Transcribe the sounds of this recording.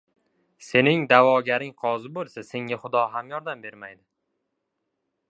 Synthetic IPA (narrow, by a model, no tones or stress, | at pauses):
se̞nɪŋd̪avɒɡʲaɾɪŋqʰɒzɪbolˠsase̞ŋaχʊd̪ɒɦamjɒɾd̪ambe̞ɾmajd̪ɪ